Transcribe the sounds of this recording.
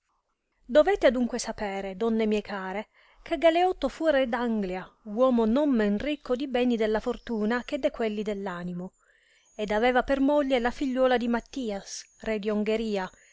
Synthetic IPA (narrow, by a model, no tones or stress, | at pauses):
d̪ovɛːt̪ead̪uŋkwesapɛːɾed̪ɔnːemjɛkʰaːɾe | k̟eɡaleɔt̪ːofuɾɛd̪aŋɡljawɔːmonomːɛnrikʰːod̪ibɛːnid̪elːafort̪uːnak̟ed̪ːekwelːid̪elːaːnimo | ed̪avɛːvapermoʎːelafiʎːɔːlad̪imat̪ːiːas | rɛd̪ioŋɡeɾiːa